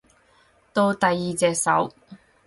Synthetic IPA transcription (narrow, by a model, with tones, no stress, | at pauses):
t̪o˧wt̪ɐ˨jːiː˨t͡sɛː˨k̚sɐ˨˥w